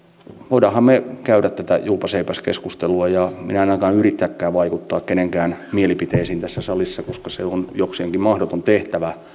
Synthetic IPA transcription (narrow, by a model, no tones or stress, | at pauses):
ʋoiɾɑhɑmmekæyɾæt̪t̪æt̪æjuːpɑseipæskeskust̪eluɑjɑmḭnæɑnːɑkɑːnyrit̪ːækːæːʋʋɑikut̪ːɑːkkeneŋkæːnmielipit̪eːsiːnt̪æsːæsɑlisːɑkoskɑseonjokseːŋkimmɑhdot̪ont̪eht̪æʋæ